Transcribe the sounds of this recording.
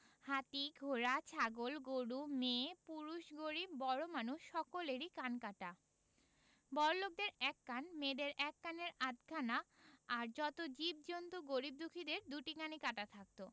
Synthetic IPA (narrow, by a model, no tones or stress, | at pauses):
hat̪iɡʱoɾat͡ɕʰaɡolɡoɽumepuɾuʃɡoɾibːɔɽomanuʃːɔkoleɾikankaʈa | bɔɾlok̚d̪eɾɛkːanmed̪eɾɛkːaneɾad̪kʰanaːɾd͡ʑɔt̪od͡ʑib̚d͡ʑont̪uɡoɾib̚d̪ukʰid̪eɾd̪uʈikanikaʈat̪ʰak̚t̪o